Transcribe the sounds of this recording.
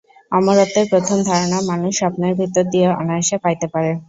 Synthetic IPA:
amaɾot̪ːeɾpɾot̪ʰomd̪ʱaɾonamanuʃːapneɾbʱit̪ːod̪ijeʔa̰naeʃepajt̪epaɾe

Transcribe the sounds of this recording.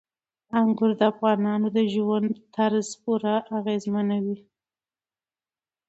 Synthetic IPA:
aŋɡʊɾd̪əafɣɑnɑnod̪əʒwand̪t̪aɾzpuɾaʔaɣezmanawi

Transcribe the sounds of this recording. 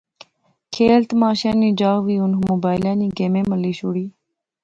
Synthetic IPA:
kʰeːlt̪maːʃãːniːd͡ʒaːʋiːʊnmoːbaːɪlãːniːɡeːmẽːməliːʃoːɽiː

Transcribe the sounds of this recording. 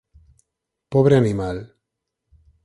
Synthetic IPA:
pɔβɾeanimal

